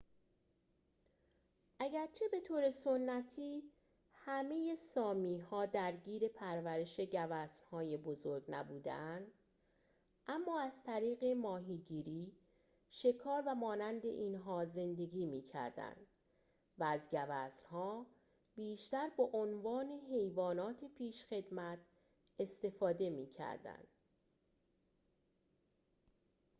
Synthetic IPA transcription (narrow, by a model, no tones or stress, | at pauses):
ʔæɟæɾt͡ʃʰe̞be̞t̪ʰoːɾe̞sonːæt̪ʰiː | hæme̞je̞sɒːmiːɦɒːd̪æɾɟiːɾe̞pʰæɾvæɾe̞ʃe̞ɟævæsnhɒːjebozo̞ɾɡnæbuːd̪ḛænd̪ | ʔæmːɒːæz̥t̪ʰæɾiːɣe̞mɒːɦiːɟiːɾiː | ʃe̞kʰɒːɾvæmɒːnænd̪e̞̰ʔiːnɦɒːze̞nd̪e̞ɡʲiːmiːcʰæ̰ɾd̪æ̰nd̪̥ | væːzɟævæsnɦɒː | b̥iːʃt̪æɾbeʔonvɒːne̞ɦe̞jvɒːnɒːt̪ʰe̞pʰiːʃxe̞d̪mæt̪ʰ | e̞st̪e̞fɒːd̪e̞miːcʰæ̰ɾd̪æ̰nd̪̥̚